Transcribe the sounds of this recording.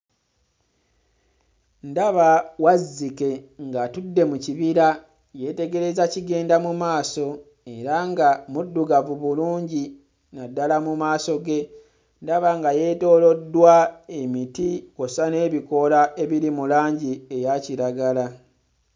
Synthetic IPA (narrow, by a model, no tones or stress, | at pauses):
ndaβawazːike̞ŋɡatudːe̞muciβiɾa | je̞te̞ɡe̞ɾe̞zaciɡe̞ːndamumaːso̞ | e̞ɾaŋɡamudːuɡavuβuluːɲɟi | nadːalamumaːso̞ɡe̞ | ndaβaŋɡaje̞ːto̞ːlo̞dːwae̞mitikosane̞ːβiko̞lae̞βiɾimulaːɲɟie̞jaciɾaɡala